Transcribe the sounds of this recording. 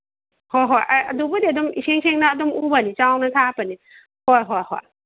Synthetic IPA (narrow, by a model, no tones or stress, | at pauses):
hojɦojʔajɐ̰dubudiɐdumiseŋsʰeŋnɐːdumubɐnit͡ʃawnɐtʰapɐni | hojɦojho̰j